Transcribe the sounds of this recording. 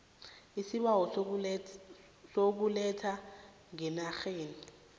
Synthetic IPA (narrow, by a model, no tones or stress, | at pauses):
isiɓawɔ | sok̬ulɛtʰa | ŋɛnaxeːni